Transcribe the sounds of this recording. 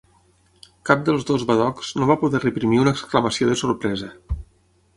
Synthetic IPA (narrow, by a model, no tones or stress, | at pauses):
kap̚d̪əlˠzðozβaðɔkz̥noβapuðɛrəpɾimiunəkskləməsioðəsuɾpɾɛzə